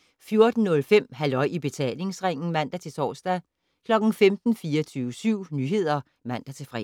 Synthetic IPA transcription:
fjo̝ɐd̥n̩ːɔ̽lfem̰ɦælɒ̽ɪ̰ib̥e̝t͡sʰɛ̰ːle̝ŋsʁeŋ̰n̩mæn̰d̥æt͡sʰe̝t͡sʰɒ̰ːsd̥æ | kʰlɒ̽ɡ̥n̩femd̥n̩fiːɐt͡sʰyːʊəsyʊ̰nyɦe̝ð̞̰ˠɐ | mæn̰d̥æt͡sʰe̝fʁɛ̰

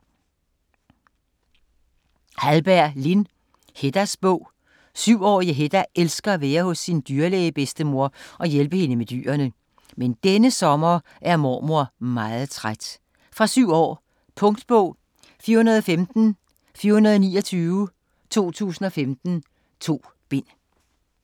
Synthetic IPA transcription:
hælb̥æɐ̰lin | he̝d̥æsb̥ɔ̽ʊ̰ | syʊ̰ɒ̰ːiɦed̥æʔelsɡ̥ɐæʋæːɐhɔ̽sːind̥yɐleɪb̥esd̥əmo̝ɐ̰ʔɒ̽jelb̥əhe̝nəmed̥y̰ːɐnə | mend̥enəsɒ̽mɐ | ʔæɐmɒ̰ːmo̝ɐ̰mɑ̈ːð̩ˠt͡sʰʁad̥ | fʁɑ̈syʊ̰ɒ̰ː | pʰɔ̽ŋd̥b̥ɔ̽ʊ̰ | fiɐhunɐðˠfemd̥n̩ | fiɐhunɐðˠniːɒt͡sʰyːʊə | t͡sʰo̝̰ːt͡sʰṵːsn̩ɒ̽femd̥n̩ | t͡sʰo̝̰ː | b̥e̝n̰

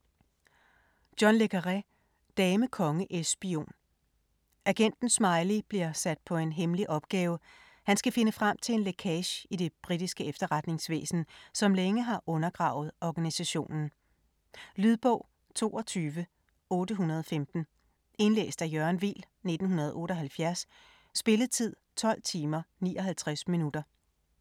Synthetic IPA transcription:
d̥jɒnlekʰɐʁæ | d̥ɛːməkʰɒ̽ŋəʔesb̥io̝̰ːn | ʔæɡ̥en̰d̥n̩smɑ̈ɪlib̥liɐ̰sæd̥̚pʰɒ̽e̝nɦemliʔɒ̽b̥̚ɡ̥ɛːʊ | hænsɡ̥æfe̝nəfʁam̰t͡sʰe̝lenlekʰɛɕid̥e̝b̥ʁid̥isɡ̥əefd̥ɐʁad̥ne̝ŋsʋḛːsn̩sɒ̽mleŋəɦɑ̈ʔɔ̽nɐɡ̥ʁɑ̈ʊð̩ˠɒɡ̥ænisæɕo̝̰ːnn̩ | lyðˠb̥ɔ̰̽ʊ̰ | t͡sʰo̝̰ːɒt͡sʰyːʋə | ɔ̽ːdəɦunɐð̞ˠɒfemd̥n̩ | e̝nlḛːsd̥æjœɐnʋḭl | ne̝d̥n̩hunɐð̞̩ˠɔ̽ːɾ̥ɒ̽ɦælfjæɐsː | b̥e̝ləð̩ˠt͡sʰið̞̰ˠt͡sʰɒ̽l̰t͡sʰiːmɐnḭːʔɒ̽ɦælt͡sʰʁasminud̥ɐ

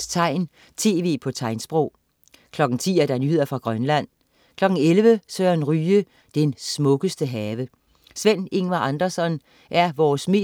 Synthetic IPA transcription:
t͡sʰɑ̈ɪ̰n | t͡sʰe̝ːʋe̝̰ːpʰɒ̽t͡sʰɑ̈ɪnsb̥ʁɔʊ̰ | kʰlɒ̽ɡ̥ŋ̩t͡sʰḭːæɐd̥ɑnyɦe̝ð̰ˠɐfʁɑ̈ɡ̥ʁɶnlæn̰ | kʰlɒ̽ɡ̥ŋ̩elʋəsøːɐnʁyːə | d̥ensmɔ̽ɡ̥əsd̥əɦɛːʋə | sʋen̰e̝ŋʋæʔɑ̈nd̥ɐsɒ̽n | ʔæɐʋɒːsme̝̰ː

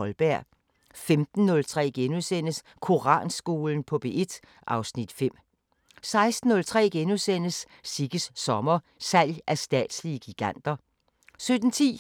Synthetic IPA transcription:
ɒlb̥æɐ̰ | femd̥n̩ːɔ̽lt͡sʰʁɛ̰ːɡ̥enusen̰əs | kʰo̝ʁɑ̰̈ːnsɡ̥o̝ːln̩pʰɒ̽b̥e̝e̝d̥ | ʔɑ̈ʊsnid̥fem̰ | sɑ̈ɪsd̥n̩nɔ̽lt͡sʰʁɛ̰ːɡ̥enusen̰əsː | iɡ̥əsːɒ̽mɐsæl̰jʔæɐsd̥ɛ̰ːd̥sliəɡ̥iɡ̥æn̰d̥ɐ | sød̥n̩t͡sʰḭː

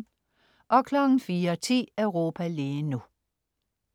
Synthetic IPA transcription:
ʔɒ̽kʰlɒɡ̥n̩fiːɐt͡sʰḭːœʊʁo̝ːpʰæliːnu

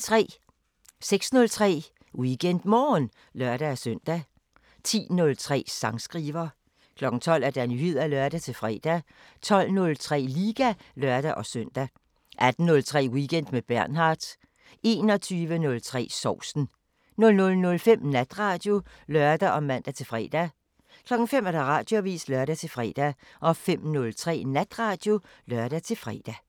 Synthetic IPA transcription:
t͡sʰʁɛ̰ː | seɡ̥snɔ̽lt͡sʰʁɛ̰ː | wiɡ̥en̰d̥mɒːn | lɶɐd̥æːsøn̰d̥æ | t͡sʰḭːnɔ̽lt͡sʰʁɛ̰ːsɑ̈ŋsɡ̥ʁiːʋɐ | kʰlɒ̽ɡ̥n̩t͡sʰɒ̽l̰æɐd̥ænyhið̰ˠælœɐd̥æt͡sʰe̝fʁɛ̰ːd̥æ | t͡sʰɒ̽l̰nɔ̽lt͡sʰʁɛ̰ːliːɡ̥ælɶɐ̰d̥æʔɒ̽søn̰d̥æ | ʔæd̥n̩nɔ̽lt͡sʰʁɛ̰ːwiɡ̥en̰d̥meb̥æɐ̰nɦɑ̈ːd̥ | e̝ːnɒ̽t͡sʰyːʋənɔ̽lt͡sʰʁɛ̰ːsɒʊ̰sn̩ | nɔ̽lnɔ̽lnɔ̽lfem̰næd̥ʁɑ̈d̥jo̝lœɐd̥æʔɒ̽mæn̰d̥æt͡sʰe̝lfʁɛ̰ːd̥æ | kʰlɒ̽ɡ̥ŋ̩fem̰æɐd̥ɑ̈ʁɑ̈d̥joʋḭːslœɐɾ̥æt͡sʰe̝lfʁɛ̰ːd̥æ | ʔɒ̽fem̰nɔlt͡sʰʁɛ̰ːnæd̥ʁɑ̈ːd̥jo̝ | lœɐd̥æt͡sʰe̝lfʁɛ̰ːd̥æ

